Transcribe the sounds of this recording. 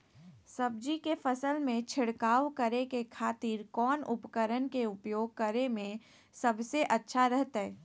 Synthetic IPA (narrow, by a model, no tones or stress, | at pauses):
sɐb̚d͡ʒikefɐsəlmẽt͡ʃʰɪɽkaːwkəɾekekʰaːt̪iːɾkɔːnʊpkəɾənkeʊpjoːɡ̚kəɾemẽ | sɐbseʔɐtːʃʰaɾɛɦt̪aɦɛː